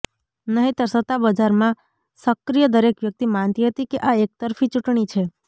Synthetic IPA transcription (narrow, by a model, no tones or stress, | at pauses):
nəɦĩt̪əɾsət̪abəd͡ʒaɾmã | səkɾijəd̪əɾekʋjək̚t̪imant̪iɦət̪ikeʔaek̚t̪əɾfʰit͡ʃuʈɳit͡ʃʰe